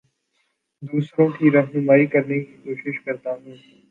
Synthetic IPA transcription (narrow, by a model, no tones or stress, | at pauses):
d̪uːsɾõkiɾɐɦnʊmaːikɐɾnekikoːʃɪʃkɐɾt̪aɦũː